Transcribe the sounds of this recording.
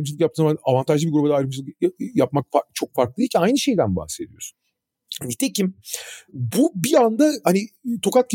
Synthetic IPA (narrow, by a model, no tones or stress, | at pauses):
ɯmd͡ʒɯlˠɯk̬jap̚t̪ɯnzamanavant̪ʰaʒlɯbiɡuɾubad̪aːjɾɯmd͡ʒɯlˠɯkjap̚mak̚fat͡ʃʰo̞k̚faɾklˠɯiɾcʰænajnɯʃe̞jd̪ænba̰hse̞d̪ijosu̥n | nit̪ʰecim | bubiand̪ahanit̪ʰo̞kat̪̚c